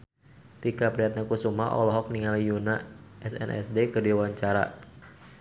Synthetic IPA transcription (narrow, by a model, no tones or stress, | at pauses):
t̪ikapɾiɦat̪̚ɲakusumaʔɔ̰lɔɦɔk̚niŋalijunaʔɛsɛ̰nʔɛ̰sdekədiwaɲt͡ʃaɾa̰